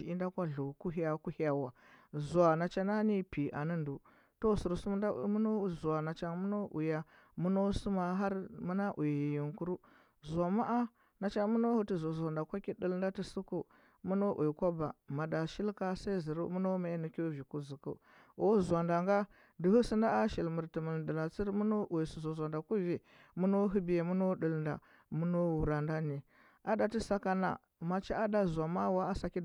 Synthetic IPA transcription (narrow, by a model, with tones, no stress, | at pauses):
i˨i˦n˦da˦kʷa˦ɮu˨ku˦ɦa˦ku˦ha˨wa˨zu˨a˨na˨t͡ʃa˦na˦ni˦pi˨ʔa̰˨nə˦ndu˨ | to˦˨su˨ɾsu˦m˦a̰˦u˦no˦zu˨a˨na˨t͡ʃa˦ŋmu˦no˦ʔṵ˨ja˦ | mu˦no˦su˦ma˨ɦa˦ɾmu˦na˦ʔu˨jji˨ŋku˦ɾu˦ | zʷa˨ma˦ʔa˦ | na˨t͡ʃa˦mu˦no˦hu˦tu˦zo˨za˨nda˨kʷa˦ki˦də˦lnda˦ti˦su˦ku˦ | mu˦no˦ʔu˨kʷa˦ba˨ma˨da˨ʃi˦lka˦sa˦i˦zi˨ɾṵ˦mu˦no˦ma˨˦nu˨kʲo˦vi˨ku˦zi˨kṵ˨ | o˦˨zʷa˨nda˨ŋɡa˦ | di˨hu˦si˦nda˦a˦ʃi˨lmu˨ɾti˨mə˨ldə˨la˨t͡si˦ɾmu˦no˦ʔu˨i˨su˨zo˨zʷa˨nda˨ku˦vi˨ | mu˦no˦ɦu˦bi˨je˨mu˦no˦ɗə˨lnda̰˨ | mu˦no˦wu˨ɾa˨nda˦ni˨ | a˦da˨ti˦sa˦ka˦na̰˨ | ma˨t͡ʃi˦a˦da˦zʷa˨ma˦wa˦a˦sa˨ki˦